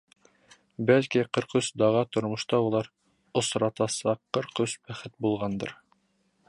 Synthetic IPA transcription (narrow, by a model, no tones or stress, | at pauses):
bælkiqɤ̆ɾqɵsd̪ɑʁɑt̪ŏɾmŏʃt̪ɑulˠɑɾ | ŏsɾɑt̪ɑsɑqːɤ̆ɾqɵsbæχɘt̪̚bulˠʁɑnd̪ɤ̰ɾ